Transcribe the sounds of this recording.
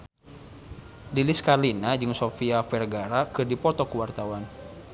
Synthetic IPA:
liliskalinad͡ʒɨŋsofiafɛrɡaɾakɨrdipɔt̪ɔkuwart̪awan

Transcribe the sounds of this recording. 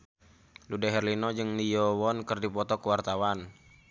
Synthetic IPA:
ludɛɦɛrlinɔd͡ʒɨŋlijɔwɔnkərdipɔt̪ɔkəwart̪awan

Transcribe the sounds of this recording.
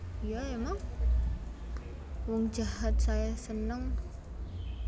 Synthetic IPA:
jaemaŋ | wɔŋd͡ʒaɦat̪̚sajasənəŋ

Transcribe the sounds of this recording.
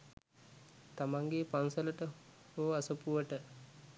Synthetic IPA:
t̪amaŋɡepansələʈəhoːasupuʋəʈə

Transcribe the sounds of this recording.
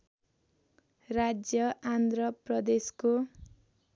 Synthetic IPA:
rad͡zjʌʔand̪rʌprʌd̪esko

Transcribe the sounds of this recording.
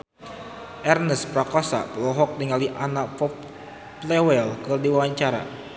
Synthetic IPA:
ʔɛrnəspɾakɔsa̰pəlɔɦɔk̚diŋaliʔanaʔpɔ | plɛwɛlkərdiwawaɲt͡ʃaɾa̰

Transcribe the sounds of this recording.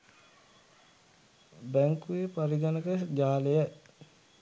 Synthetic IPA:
bæŋkuepaɾiɡanəkəd͡ʒaːlejə

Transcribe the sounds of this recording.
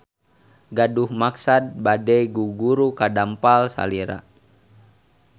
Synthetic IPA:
ɡaduhmaksad̚badɛjɡuɡuɾukadampalsa̰liɾa̰

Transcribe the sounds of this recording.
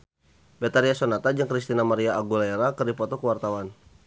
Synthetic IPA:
bɛt̪aɾiasɔnat̪ad͡ʒɨŋkɾist̪inamaɾiaʔːɡulaɛɾakərdipɔt̪ɔkəwart̪awan

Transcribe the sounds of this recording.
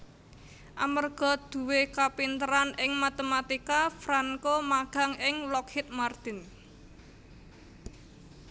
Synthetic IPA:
ʔamərɡ̥ɔ̤d̪̥ṳwekapint̪əɾanɪŋmat̪emat̪ikafɾaŋkomaɡ̥a̤ŋɪŋlɔkhɪt̪̚mard̪̥ɪ̤n

